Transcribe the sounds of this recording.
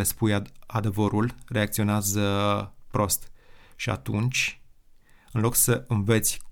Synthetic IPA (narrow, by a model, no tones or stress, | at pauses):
espujad̪e̞vəɾulre̞ak̚t̪sio̞neazəpɾo̞st̪ʃia̰t̪unt͡ʃʲ | ɨnlo̞ksəɨmve̞t̪sʲ